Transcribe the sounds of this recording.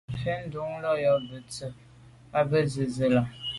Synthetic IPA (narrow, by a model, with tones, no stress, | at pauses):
fe˦n̩˦du˨˦ŋ˦lɔ˦jɔ˨bə˨t͡sə˨ | a˦bə˦zə˨zə˨la˨